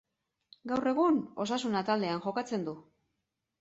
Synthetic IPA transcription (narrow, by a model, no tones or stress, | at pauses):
ɡawre̞ɣ̞uno̞sasunat̪ald̪e̞anʝo̞kat͡se̞nd̪u